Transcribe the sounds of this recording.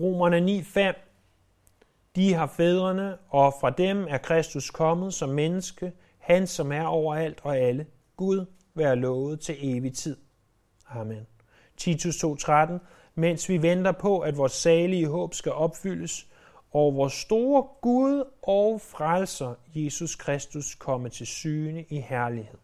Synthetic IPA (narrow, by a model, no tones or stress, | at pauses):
ʁo̝̰ːmɐnənḭːfem̰ | d̥iɦɑ̈feːð̞ˠʁɐnəɒ̽fʁɑ̈d̥emæɐkʰʁɛsd̥uskʰɒ̽mð̞̩ˠsɒ̽mːenəsɡ̥ə | hænsɒ̽mæɐɒʊ̰ɐæl̰d̥ɒ̽ælə | ɡ̥uð̞ˠ | ʋæːɐlɔ̽ːʊð̩ˠt͡sʰe̝le̝ːʋit͡sʰið̞̰ˠ | ɑmen | t͡sʰit͡sʰust͡sʰo̝̰ːt͡sʰʁad̥n̩ | men̰sʋiʋend̥ɐpʰɒ̽ʔæd̥ʋɒːsɛːliəɦɔ̰̽ːb̥sɡ̥æʔɒ̽b̥fyl̰əs | ɒʊɐʋɒːsːd̥o̝ːɐɡ̥uðˠʔɒʊfʁalsɐje̝suskʰʁɛsd̥uskʰɒ̽mət͡sʰe̝lsyːnəʔihæɐlihe̝ð̰ˠ